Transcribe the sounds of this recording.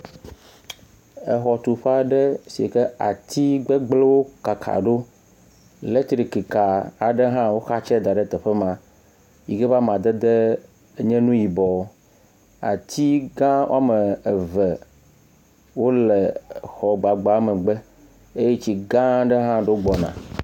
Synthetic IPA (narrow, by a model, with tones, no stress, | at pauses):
e˨xɔ˨t̪u˨ɸa˦ɖɛ˦si˨e˨kɛ˦a̰˨t̪ʰi˦ɡ͡bɛ˦ɡ͡ble˦wo˦ka˨kʰa̰˨ɖo˦ | le˦t̪ɾi˨ki˨ka˨a˨ɖe˦ɦã˦wo˦xa˦t͡ʃɛ˦d̪a˨ɖɛ˦t̪ɛ˨ɸɛ˦mã˨ | ji˨kɛ˦va˦mã˨d̪ɛ˦d̪e˦ | ɲɛ̃˦nũ˦ji˨bɔ˨ | a̰˨t̪ʰi˦ɡã˦wʔo̰˦a˦me˨e˨vɛ˨ | wo˦lɛ˨xɔ˨ɡ͡ba˨ɡ͡ba˨˦mɛ˨ɡ͡bɛ˦ | e˦je˦t͡ɕi˨ɡã˦ɖe˦ɦã˦ɖo˦ɡ͡bɔ˨nã̰˨